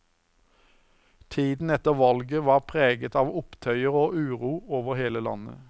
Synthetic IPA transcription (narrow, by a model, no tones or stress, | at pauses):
t̪ʰiːd̪n̩ɛt̪əʁʋɑlɡəʋɑːʁpʰʁeːɡət̪ɑːʋʊpt̪ʰœʏəʁoːʔʉːʁuːoːʋəʁheːləlɑ̰nə̰